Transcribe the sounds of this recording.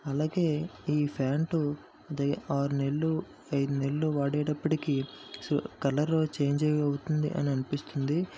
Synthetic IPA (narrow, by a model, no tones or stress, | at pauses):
ɐlaːɡe̞ːiːpʰaːɳʈu | d̪ɐaːɾune̞lːu | ɐjd̪unelːuʋaːɽɛːɽɐpːɐʈikiskɐlɐɾoːt͡ʃe̞ːɲd͡ʒɐjɐwut̪und̪ḭʔɐ̰niɐnipist̪und̪i